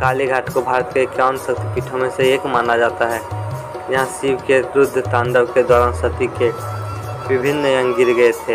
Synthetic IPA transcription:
kaːliɡʱaːʈʰkobʱaːɾət̪ket͡ʃaːnsək̚t̪ipiːʈʰõmẽseeːkmaːnad͡ʒaːt̪aɦɛː | jɐɦãsibkeɾʊd̪ʱːt̪ãːnd̪əbked̪ɔːɾaːnsət̪ike | ʋɪbʱɪnːjə̃ŋɡɡɪɾɡəet̪ʰe

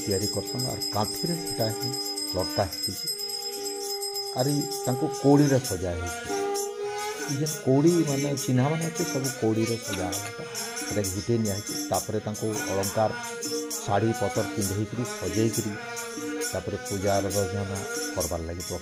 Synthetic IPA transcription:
t̪ijaɾikɔɾsɔna̰ɾkãt̪ʰiɾekiʈasɔn | lɔkt̪aɦt̪it͡ʃʰi | aɾit̪aŋkukoɽiɾesɔd͡ʒajɦɔjt͡ʃʰi | id͡ʒʱɛnkoɽimanajt͡ʃinɦamant̪ʰisɔbukoɽiɾesɔd͡ʒaaɦɔt̪a | keʈakiɦiʈeniaɦit͡ʃ̪ʰit̪apɔɾet̪aŋkuɔɭɔŋkaɾ | saɽ̤ipɔt̪ɔɾt͡ʃind̪ʱajkiɾisɔd͡ʒajkɔɾi | t̪apɔɾepud͡ʒaɾɾɔd͡ʒnanakɔɾbaɾlaɡit̪ɔ

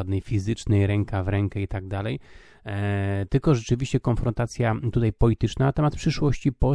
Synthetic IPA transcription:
ad̪nɛjfʲizɘt͡ʂnɛjɾɛŋkavɾɛŋkɛit̪aɡ̚d̪alɛj | t̪ɘlkɔʐɛt͡ʂɘvʲiɕt͡ɕɛkɔnfɾɔnt̪at̪sʲjat̪ut̪ajpɔlʲit̪ɘt͡ʂnanat̪ɛmat̪̚pʂɘʂwɔɕt͡ɕipɔ

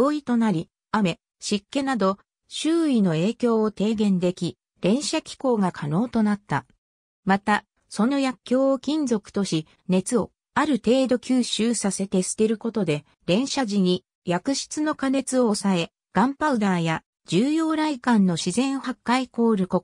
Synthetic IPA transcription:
oːit̪o̞naɾʲi | ame̞ | ɕikːe̞nad̪o̞ | ɕɨːino̞e̞ːkʲo̞ːot̪e̞ːɡẽ̞nd̪e̞kʲi | ɾẽ̞ɰ̃ɕakʲi̥ko̞ːɡakʰano̞ːt̪o̞nat̪ːa | mat̪a | so̞no̞jakʲːo̞ːokʲĩnzo̞kɯ̟̥t̪o̞ɕi | ne̞t͡sɨo̞ | aɾɯ̟t̪e̞ːd̪o̞kʲɨːɕɨːsase̞t̪e̞sɨ̥t̪e̞ɾɯ̟ko̞t̪o̞d̪e̞ | ɾẽ̞ɰ̃ɕaʑiɲ̟i | jakɯ̟ɕi̥t͡sɨno̞kane̞t͡sɨo̞sae̞ | ɡ̥ãmpaɯ̟d̪aːja | d͡ʑɨːjo̞ːɾaikãnːo̞ɕizẽ̞ɰ̃hakːaiko̞ːɾɯ̟ko

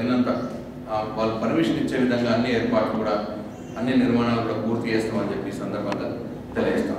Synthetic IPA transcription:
inɐnt̪ɐ | ʋaːɭːupɐɾmiʂɐniɲt͡ʃːe̞ːʋid̪ʱɐŋɡaːɐnːieːɾpaːʈːukuːɽaː | ɐnːiniɾmaːɳaːluk̬uːɽaːpuːɾt̪it͡ʃeːst̪aːmɐnd͡ʒe̞pːiːsɐnd̪ɐɾbʱɐk̪ɐ | t̪elijest̪a̰ː

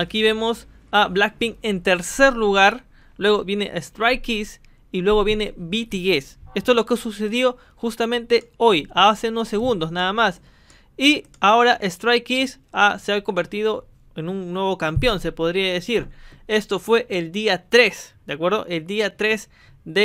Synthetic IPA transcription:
akiβe̞mo̞s | ablak̚piŋe̞nt̪eɾse̞ɾluɣaɾ | lwe̞ɣo̞βje̞nḛʔest̪ɾajkis | ilwe̞ɣo̞βje̞ne̞βit̪iɣesest̪oezlo̞keosuse̞ðjo̞ | xust̪amẽnt̪e̞ojaase̞unosːe̞ɣund̪osnaðamas | i | ao̞ɾaʔest̪ɾajkis | aseaβko̞mbe̞ɾt̪ið̞o̞ | e̞nuŋnwe̞β̞o̞kampjo̞nse̞po̞ðɾiaðesiɾe̞st̪o̞fwe̞ʔeld̪iat̪ɾe̞sd̪̥eakwe̞ɾðo̞̰ʔe̞ld̪iat̪ɾe̞s | ðe

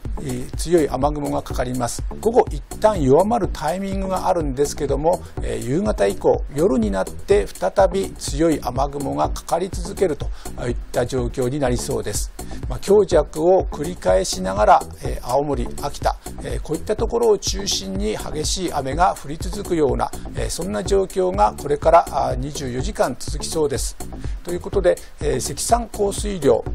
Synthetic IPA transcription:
t͡sɨjo̞iʔamaɡɯ̟mo̞ɡakḁkaɾʲimasɨ̥ɡ̥o̞ɡo̞ʔit̪ːãɰ̃jo̞βamaɾɯ̟t̪ʰaimʲĩŋɡɯ̟ɡaʔaɾɯ̟̃nd̪e̞sɨ̥ke̞d̪o̞mo̞ | ḛjɯːɡat̪aiko̞̰ːjo̞ɾɯ̟ɲ̟inat̪ːe̞ɸɯ̥t̪at̪abʲit͡sɨjo̞iʔamaɡɯ̟mo̞ŋakḁkaɾʲit͡sɨzɨke̞ɾɯ̟t̪o̞̥it̪ːad͡ʑo̞ːkʲo̞ːɲ̟inaɾʲiso̞ːd̪e̞sɨ̥makʲo̞ːʑakɯ̟o̞kɯ̟ɾʲikae̞ɕinaɡaɾa | eʔaomo̞ɾʲiakʲi̥t̪a̰ | eko̞ːit̪ːat̪o̞ko̞ɾo̞ːt͡ɕɨːɕĩɲ̟ːiha̰ɡe̞ɕiːʔame̞ɡaɸɯ̟ɾʲit͡sɨzɨkɯ̟jo̞ːna̰ḛsõ̞nːaʑo̞ːkʲo̞ːŋako̞ɾe̞kaɾaɲ̟iʑɨːjo̞ʑikãnt͡sɨzɨkʲi̥so̞ːd̪e̞sɨ̥t̪o̞jɯ̟ːko̞t̪o̞d̪e̞ | se̞kʲi̥sãŋko̞ːsɨiɾʲo̞̰ː

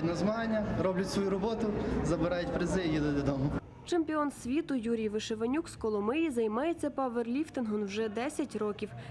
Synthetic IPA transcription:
nɐzmɐɦanʲːɐɾɔblʲɐt̪ʲsʋɔjuɾɔbɔt̪ʊzɐbɪɾɑjʊtʲpɾezɪjjid̪ʊd̪d̪ɔmʊ | t͡ʃemʲpʲiɔnsʲʋʲit̪ʊjuɾʲijʋɪʃeʋɐnʲukskɔlˠɔmɪjizɐjmɑjet͡sʲːɐpɑʋerlʲift̪ɪnɦɔnwʒɛd̪ɛsʲɐtʲɾɔkʲiw

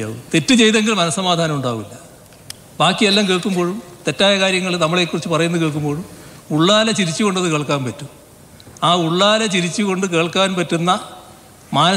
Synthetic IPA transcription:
a̰ːʋut̪e̞tːɨt͡ɕe̞jt̪e̞ŋɡilmɐnɐsːɐmaːd̪ʱaːnɐmuɳɖaːɣilːɐ | baːkːijelːaːmkeːɭkumbo̞ːɻumt̪e̞tːaːjɐkaːɾjɐŋːɐɭnɐmːɐɭe̞ːkːurit͡ɕːɨpɐrɐjunːɨkeːɭkumbo̞ːɻum | uɭːaːlɐt͡ɕiɾit͡ɕːɨko̞ɳɖɐðɨke̞ːɭkaːnpɐtːu | aːuɭːaːlɐt͡ɕiɾit͡ɕːuko̞ɳɖɨk̬e̞ːɭkaːnpɐtːunːɐ | maːnɐ

